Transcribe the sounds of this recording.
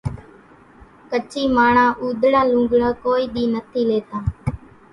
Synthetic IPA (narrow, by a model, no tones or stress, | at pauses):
kət͡ʃiːmaːɳãːʔuːd̪ʱɽaːlũːɡɽãːkoːiːɗiːnət̪ʰiːleːt̪aː